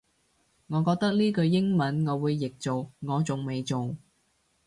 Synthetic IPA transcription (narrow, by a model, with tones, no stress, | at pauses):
ŋɔː˨˧kɔː˧k̚t̪ɐ˥k̚liː˥kɵ˧ɥjɪ˥ŋmɐ˨˥nŋɔː˨˧wuː˨˧jːɪ˨k̚t͡so˨wŋɔː˨˧t͡sʊ˨ŋme˨jt͡so˨w